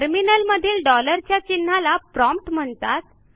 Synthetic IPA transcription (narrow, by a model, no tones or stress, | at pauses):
əɾminəlməd̪ʱiːlɖɔləɾt͡ɕjat͡ɕinːalapɾɔ̃mpʈm̤əɳt̪at̪̚